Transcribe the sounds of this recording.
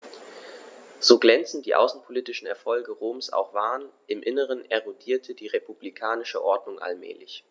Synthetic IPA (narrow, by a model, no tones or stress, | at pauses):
z̥oːɡlɛnt͡sn̩td̥iːʔa̰ʊsn̩pʰoliːtɪʃn̩ɛɐfɔlɡəʁoːmsʔa̰ʊxv̥aːʁənʔɪmʔɪnəʁ̞ənʔɛʁodiːɐtʰədiːʁepublikʰaːnɪʃə̰ʔɔɐdnʊŋʔa̰lmɛ̰ːlɪç